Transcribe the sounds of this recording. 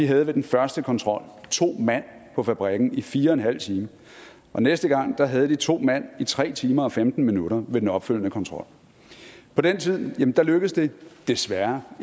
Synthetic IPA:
d̥iɦæð̞̩ˠʋe̝d̥enfɶɐsd̥əkʰɒ̽nt͡sʰʁɒ̽l̰t͡sʰo̝̰ːmæn̰ | pʰɒ̽fæb̥ʁaɡ̥n̩ifiːɐenɦæl̰t͡sʰiːmə | ʔɒ̽nesd̥əɡ̥ɑ̈ŋ̰d̥ɑ̈ɦæð̞ˠd̥it͡sʰo̝̰ːmæn̰it͡sʰʁɛ̰ːt͡sʰiːmɐɒ̽femd̥n̩minuɾɐʋe̝d̥en̩ɒ̽b̥føl̰nəkʰɒ̽nt͡sʰʁɒ̽l̰ | pʰɒ̽d̥ent͡sʰið̞̰ˠjæmnd̥ɑ̈løɡ̥əðˠsd̥e̝d̥e̝sʋæɐ

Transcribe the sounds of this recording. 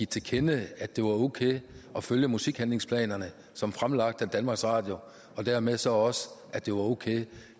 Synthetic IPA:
it͡sʰe̝kʰenəæd̥e̝ʋɑ̈o̝kʰḛːɒ̽føljəmusiɡ̥hænle̝ŋspʰlɛ̰ːnɐnə | sɒ̽mfʁamlɑ̈ɡ̥̚d̥æd̥ænmɑ̈ɡ̥sʁɑ̰̈ːd̥jo̝ | ɒ̽d̥æɐmeðˠsɒ̽ɒ̽səʔæd̥e̝ʋɑ̈oʊkʰḛː

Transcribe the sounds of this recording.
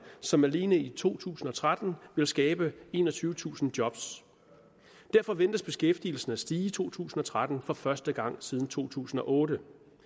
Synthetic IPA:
sɒ̽mæle̝ːnəit͡sʰo̝̰ːt͡sʰṵːsn̩ɒ̽t͡sʰʁad̥n̩ʋe̝lsɡ̥ɛːb̥əe̝ːnɒ̽t͡sʰyːʊət͡sʰṵːsn̩d̥jɒ̽b̥s | d̥æɐfɒ̽ʋen̰d̥əsb̥e̝sɡ̥efd̥iːl̩sn̩æsd̥iːət͡sʰo̝̰ːt͡sʰṵːsn̩ɒ̽t͡sʰʁad̥n̩fɒ̽fɶɐsd̥əɡ̥ɑ̈ŋ̰sið̞ˠn̩t͡sʰo̝̰ːt͡sʰṵːsn̩ɒ̽ʔɔ̽ːɾə

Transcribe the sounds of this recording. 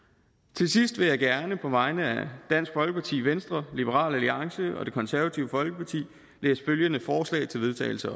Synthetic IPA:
t͡sʰe̝lsisd̥ʋe̝jɑ̈ɪɡ̥æɐnəpʰɒ̽ʋɑ̈ɪnəæd̥æn̰sɡ̥fɒ̽lɡ̥əpʰɑ̈t͡sʰḭːʋensd̥ʁɐlib̥əʁɑ̰̈ːlæliɑ̈ŋsəɒ̽d̥e̝kʰɒ̽nsæɐʋæt͡sʰiʊəfɒ̽lɡ̥əpʰɑ̈t͡sʰḭː | leːsføljənəfɒːslɛ̰ɪt͡sʰe̝lʋe̝ð̞ˠt͡sʰɛ̰ːɪl̩sɐ

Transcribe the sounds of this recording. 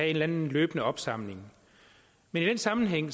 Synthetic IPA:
nlænn̩løːb̥ənəɒ̽b̥sɑ̈m̰le̝ŋ | menid̥ensɑ̈mn̩ɦeŋ̰

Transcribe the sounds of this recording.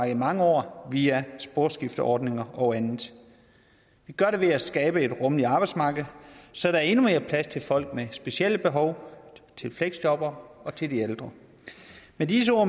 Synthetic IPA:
ɡ̥ˠmɑ̈ŋəɒ̰ːʋiːæsb̥o̝ɐ̥sɡ̥ifd̥əʔɒːd̥ne̝ŋɐʔɒ̽ʊænð̩ˠ | ʋiɡ̥ɶɐɾe̝ʋe̝æsɡ̥ɛːb̥əe̝d̥ʁɔ̽məliɑ̈ːb̥ɑɪd̥smɑ̈ːɡ̥ð̩ˠsɒ̽ɾ̥ɑ̈æɐe̝nume̝ːɐpʰlæst͡sʰe̝lfɒ̽l̰ɡ̥̚mesb̥e̝siel̰əb̥e̝ɦɒ̽ʊt͡sʰe̝lfleɡ̥sd̥ɒ̽b̥ɐɒ̽t͡sʰe̝ld̥ield̥ʁɐ | medis̬əɔ̰ː

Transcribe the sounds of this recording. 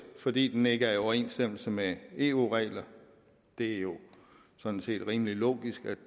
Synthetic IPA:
fɒ̽d̥ḭːd̥ene̝ɡ̥əæɐiɒʊɐe̝̰ːnsd̥em̰l̩səmee̝ːṵːʁɛ̰ɪlɐ | d̥e̝æjo̝ | sɒ̽nn̩se̝̰ːd̥ʁiːməlilo̝̰ːɡ̥isɡ̥æ̥

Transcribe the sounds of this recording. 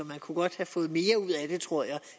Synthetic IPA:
ɒ̽mænkʰuɡ̥ɒ̽d̥hæfɔ̽ːð̩ˠme̝ːɐuð̞̰ˠæd̥e̝t͡sʰʁo̝ɐ̰jɑ̈ɪ

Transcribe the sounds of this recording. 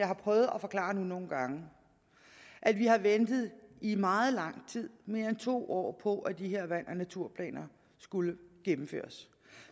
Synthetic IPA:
jɑ̈ɪhɑ̈pʰʁœʊð̞̩ˠɒfɒ̽klɑ̰̈ːnuno̝ːn̩ɡ̥ɑ̈ŋə | ʔæd̥ʋiɦɑ̈ʋend̥ð̩ˠimɑ̈ːð̞̩ˠlɑ̈ŋ̰t͡sʰið̞̰ˠme̝ːɐent͡sʰo̝̰ːʔɒ̰ːpʰɒ̽ʔæd̥iɦe̝ɐ̰ʋæn̰ʔɒnæt͡sʰuɐ̰pʰlɛ̰ːnɐ | sɡ̥uləɡ̥emm̩fø̰ːɐs

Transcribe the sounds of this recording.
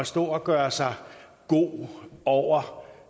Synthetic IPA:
ɒsd̥ɔ̰ːɒɡ̥ɶːɐsɑ̈ɪ | ɡ̥o̝̰ːɒʊ̰ɐ

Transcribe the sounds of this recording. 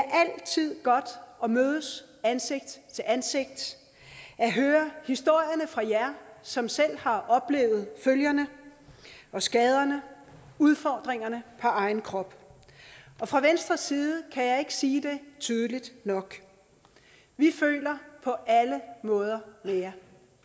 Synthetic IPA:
æʔæl̰t͡sʰið̞̰ˠɡ̥ɒ̽d̥ɒ̽møːð̞ˠəs | ænse̝ɡ̥̚d̥t͡sʰe̝lænse̝ɡ̥̚d̥ | ʔæɦøːɐhisd̥o̝ɐ̰jɐnəfʁɑ̈jæɐsɒ̽msel̰hɑ̈ʔɒ̽b̥le̝̰ːʊð̞̩ˠføljɐnə | ʔɒ̽sɡ̥ɛːð̞ˠɐnə | uð̞ˠfɒ̰ːd̥ʁeŋɐnəpʰɒʔɑ̈ɪn̩kʰʁɒ̽b̥ | ʔɒ̽fʁɑ̈ʋensd̥ʁɐsːiːðˠəkʰæjɑ̈ɪe̝ɡ̥ə̥siːd̥e̝t͡sʰyð̞ˠəlid̥nɒ̽ɡ̥ | ʋifø̰ːlɐpʰɒ̽ʔæləmɔ̽ːð̞ˠɐmejæ

